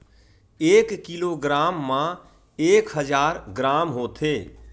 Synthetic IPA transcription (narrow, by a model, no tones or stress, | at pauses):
eːkːiloːɡɾaːmːã | eːkɦəd͡ʒaːɾɡɾaːmɦoːt̪ʰeː